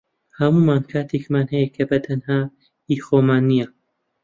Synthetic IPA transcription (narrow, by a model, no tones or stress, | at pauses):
hɐmumaːnkʰaːt̪ʰekmaːnɦɐjɛkʰɐbɐt̪ʰɐnhaː | iːxomaːnːijɐ